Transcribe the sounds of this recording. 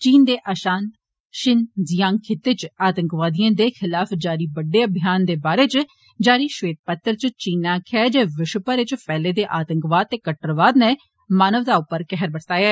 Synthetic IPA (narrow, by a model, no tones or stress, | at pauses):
t͡ʃiːnd̪eːʔaːʃaːnt̪ | ʃɪnzijãːŋkʰɪt̪ːeːt͡ʃaːt̪əŋkʋaːd̪ijãːd̪eːxʰɪlaːfʰd͡ʒaːɾiːbəɖːeːəbʱɪjaːnd̪eːbaːɾeːt͡ʃ | d͡ʒaːɾiːʃʋeːt̪̚pət̪ːəɾt͡ʃt͡ʃiːnãːkʰɛːd͡ʒeːʋɪʃpəɾɪt͡ʃpɛːleːd̪eːʔaːt̪əŋkʋaːd̪̚t̪eːkəʈəɾʋaːd̪nɛː | maːnəʋd̪aːʊpːəɾkɛɦəɾbəʈʰt̪aːjɛː